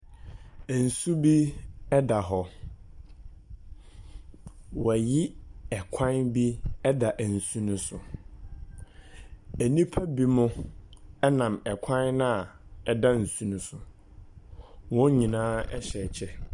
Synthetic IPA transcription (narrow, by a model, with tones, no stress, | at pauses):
æ˨n̩˨su˦bi˦ɛ˦da˨ɦɔ˨ | wɔ˨æ˨ji˦ɛ˨kʷʰã˦nbi˦ɛ˦da˨ʔæ˨n̩˨sũ˦nʊ̃˦sʊ˨ | æ˨nĩ˦pʰæ˦bi˦mʊ̃˦ | ɛ˦nã˨mɛ˨kʷʰã˦nnʊ̃˦a˨ɛ˨da˦n̩˨sũ˦nʊ̃˦sʊ˨ | wɔ̃˦ɲĩ˨nãː˦ɛ̰˦ɕɛ˨t͡ɕʰɛ˦